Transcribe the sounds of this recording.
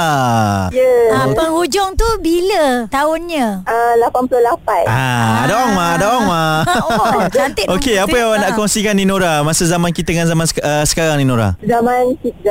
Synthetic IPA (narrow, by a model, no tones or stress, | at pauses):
ajəapəŋhud͡ʒɔŋt̪ubilət̪aʊnɲə̃əlapanpulohlapanaadaaŋmadaaŋma | anɪokeapajaanaʔkɔŋsikanːdinoɾamasəzamãnkit̪əŋanzamãnsəsə̥kaɾaŋninõɾa̰zamãnkia